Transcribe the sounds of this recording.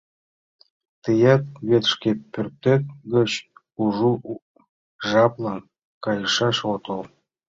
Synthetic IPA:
t̪ɨjɑt̪̚βet̪ʃkʲepːør̚t̪ːet̪̚ɡət͡ɕ | uʒu | ʒɑplˠɑn | kɑjɤʃɑʃot̪ol

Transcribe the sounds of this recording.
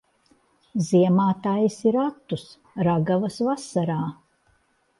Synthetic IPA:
ziɛmaːt̪ajisiɾat̪ːus | ɾaɡavɐsvasaɾaː

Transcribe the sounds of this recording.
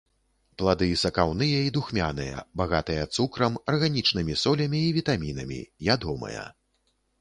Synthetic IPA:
plˠad̪ɨisɐkawnɨjɐid̪uxmʲanɨjɐ̰baɣat̪ɨjɐt̪sukɾɐmɐrɣanʲit͡ʂnɨmʲisɔlʲɐmʲiːvʲit̪amʲinɐmʲḭjʲad̪ɔmɐ̰jɐ̰

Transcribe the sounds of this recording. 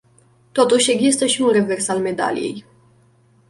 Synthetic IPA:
t̪o̞t̪uʃʲe̞ɡzist̪əʃiunre̞ve̞rsalme̞d̪a̰lḭje̞̰j

